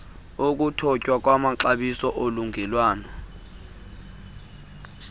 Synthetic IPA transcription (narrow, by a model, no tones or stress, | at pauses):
ok̬utʰɔcʼwak̬ʼwamaǁaɓisɔʔoluŋʱɛlwaːnɔ